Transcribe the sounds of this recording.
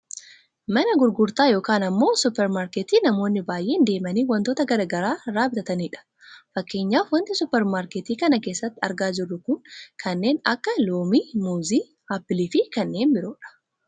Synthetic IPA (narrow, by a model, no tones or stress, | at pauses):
mɐnɐɡʊɾɡʊɾt̪aːjo̞ːkaːnɐmːo̞ːsʊpːɛɾmaːɾket̪iːnɐmo̞ːnːɪbaːjʔe̞ːnd̪e̞ːmɐniːwɐnt̪o̞ːt̪ɐɡɐɾaːɡɐɾaːɾaːbɪt̪ɐt̪ɐniːᶑɐ̥ | fɐkːe̞ːɲːaːfwɐnt̪ɪsʊpːɛɾmaːɾkɛt̪iːkɐnɐkeːsːɐt̪ːɪɐɾɡaːd͡ʒɪrːʊkʊŋkʰɐnːe̞ːnɐkːɐloːmiːmuːziː | aːpːɪliːfɪkɐnːe̞ːnbɪɾoːᶑɐ̥